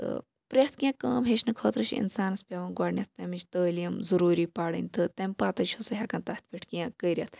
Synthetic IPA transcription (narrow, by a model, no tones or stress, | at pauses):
pɾʲet̪ʰkʲãːkəːmɦeːt͡ʃnɐkʰoːt̪ɾɐʃḭnsaːnɐspʲɐʋɐnɡwaːɽnʲɐt̪̚ʰt̪ɐmit͡ʃʲt̪əːljɐmzɐɾuːɾiːpaːɽə̰nʲt̪ɨt̪ɐmʲpaːt̪ɐt͡ʃʰoːsɐɦʲakɐnt̪aːt̪̚ʰpʰʲiʈʰkãkəjɾʲjɐt̪ʰ